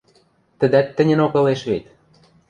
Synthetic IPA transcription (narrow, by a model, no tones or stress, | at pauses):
t̪ə̆d̪æt̪ːə̆nʲə̆nokɤ̆leʃβet̪